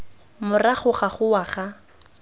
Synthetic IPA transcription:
mʊraχʊχaχʊwaχa

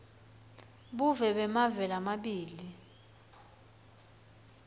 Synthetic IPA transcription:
ɓuvɛɓɛmavɛlamaɓiːli

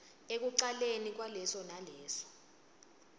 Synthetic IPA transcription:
ek̬uǀalenik̬walɛsɔnalɛːsɔ̥

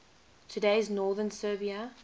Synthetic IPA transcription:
tʰədeɪznɔːðənsɜːbiə

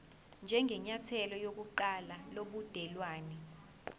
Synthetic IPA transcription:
nd͡ʒʱɛŋʱɛɲatʰɛlɔjok̬uǃalaloɓud̥ʱɛlwaːnɛ

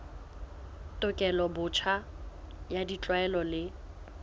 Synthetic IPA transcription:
tʼʊkʼɛlɔbʊt͡ʃʰa | jadit͡ɬʼwaɛlɔlɪ

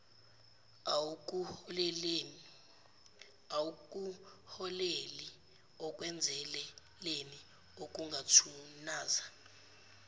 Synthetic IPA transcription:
auk̬ʼuhɔleli | ɔk̬ʼwɛnd͡zʱɛlɛ | leni | ok̬ʼuŋɡʱatʰunaːza

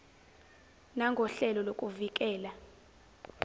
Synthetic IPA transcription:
naŋɡʱɔɬɛlɔlokʼuvik̬ʼɛːla

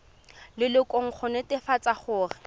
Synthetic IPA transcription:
lɪlɪkʼoŋ̩χʰɔnɛtɪfat͡sʼaχʊːrɪ

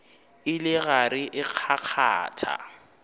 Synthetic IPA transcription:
ɪlɪɣarɪʔɪq͡χʰaq͡χʰa̰ːtʰa̰

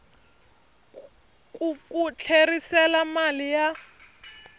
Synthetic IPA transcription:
kʼukut͡ɬʰerisɛlamalija

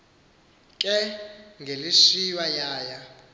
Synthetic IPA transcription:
kʼɛŋɡʱeliʂiwajaːja

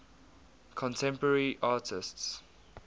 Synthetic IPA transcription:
kʰɔ̃ntʰɛ̃mpəəɹiʔaːtʰɪsts

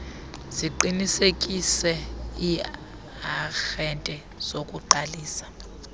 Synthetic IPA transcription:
z̥iǃinisekʼisɛi | axɛntʼɛ | z̥okʼuǃaliːsḁ

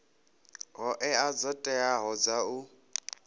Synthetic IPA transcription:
ɦɔʔɛad͡zɔtʼɛaɦɔd͡zau

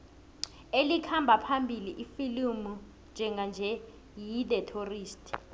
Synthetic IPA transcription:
elikʰambʱapʰambʱiliʔifilumu | nd͡ʒʱɛŋɡʱand͡ʒʱɛ | jiɗɛtʰoriːstʰʼi̥

